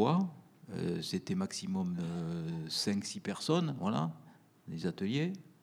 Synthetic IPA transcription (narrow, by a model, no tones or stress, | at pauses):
a | ø̰set̪ɛmaksimɔmøsɛ̃ksipɛʁsɔnvwala̰ | lezat̪əlje